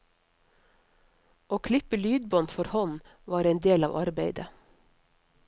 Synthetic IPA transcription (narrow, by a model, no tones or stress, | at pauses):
ʔoːkʰlɪpəlyːd̪̚bɔnt̪fɔɾhɔn | ʋɑːɾeɪnd̪eːlɑ̰ːʋʔɑɾbeɪd̪ə